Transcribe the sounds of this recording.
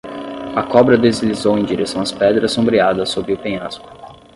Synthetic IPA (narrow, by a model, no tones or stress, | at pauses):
ɐkɔbɾɐd̪ezlizowẽj̃d͡ʒiɾesɐ̃w̃ɐspɛd̪ɾɐsõbɾiad̪ɐsobɾɪʊpẽaspʊ̥